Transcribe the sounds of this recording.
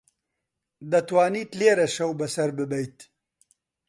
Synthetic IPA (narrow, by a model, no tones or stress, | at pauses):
d̪ɐt̪waːnit̪leɾɐʃɐwbɐsɐɾbəbɐjt̪